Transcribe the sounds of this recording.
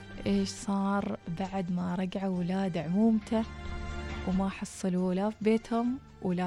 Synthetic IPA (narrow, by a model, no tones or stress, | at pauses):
ʔeːʃsˤɑːɾˤbaʕd̪maɾˤɑɡʕawɪlaːd̪aʕʊmuːmt̪a | wmaħɑsˤːɨlulafibeːt̪hʊm | wɪla